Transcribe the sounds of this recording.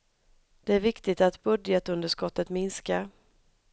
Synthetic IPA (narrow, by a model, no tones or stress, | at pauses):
d̪̥ɛæɾvɪkt̪ɪt̪at̪bɵd̪jət̪ɵnd̪əʂkɔt̪ːət̪mɪnskaɾ